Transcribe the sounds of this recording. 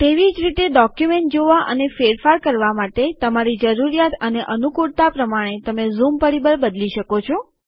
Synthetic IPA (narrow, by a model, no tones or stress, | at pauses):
t̪eʋid͡ʒɾit̪eɖɔkjumeɳʈ̚d͡ʒoʋaʔə̰nefeɾfaɾkəɾʋamaʈet̪əmaɾid͡ʒəɾuɾijat̪əneʔənukuɽt̪apɾəmaɽ̃et̪əmezumpəɽibəɾbəd̪liʃəkot͡ʃʰo